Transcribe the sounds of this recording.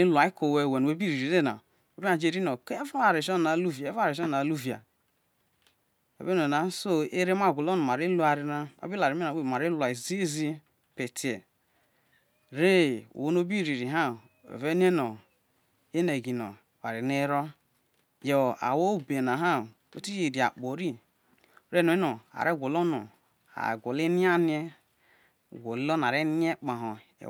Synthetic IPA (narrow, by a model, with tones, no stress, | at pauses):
i˦lu˨a˨i˦ko˨we˦˨we˨e˦bi˦ɾi˨ɾi˨ɾe˦˨na̰˨ | o˨bi˦a˨d͡ʒe˦˨ɾi˦no˨ke˦vo˦a˨ɾe˨ʃn˨na˨˦lu˦vi˨˦va˦˨ɾe˨ʃɔ˦˨na˨lu˦vi˨a̰˨ | o̰˨be˦n˨o˨a˨˦so˦e˦ɾe˦m˦a˦˨ɡʷu˨lo˦nu˨m˨a˨ɾi˦lu˦a˨ɾi˦na˦o̰˦bi˦la˨ɾi˨˦mi˦na˨we˦˨ma˨ɾi˦lʷa˨i˨zi˦zi˦ | pe˨ti˨e˨ | ɾe˦˨o˦no˦bi˦˨ɾi˨ɾi˨ɦa˦˨ | o̰˨ve˦n˦e˦no˨ | e˦ne˨ɡi˨no˨ | wa˨ɾi˨ne˦ɾo˦ | jo˨a̰˨wo˦˨be˨na˨ɦa˦˨ | o̰˦ti˦e˨di˨a̰˨k͡po˨ɾi˦˨ | ɾe˦˨no˨˦e˦no˨a̰˨ɾe˦ɡʷo˨lo˦no˨ | a̰˨ɡʷo˨le˦ni˦a˦ni˦e˦ | ɡʷo˨llo˦n˨a˨ɾe˦n˦e˦k͡pa˨ɦo˨ | ḛ˨